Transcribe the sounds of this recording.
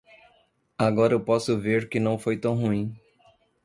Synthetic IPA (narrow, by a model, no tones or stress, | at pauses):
aɡɔɾɐewpɔsʊveɾkɪnɐ̃w̃fojt̪ɐ̃w̃ɦuĩ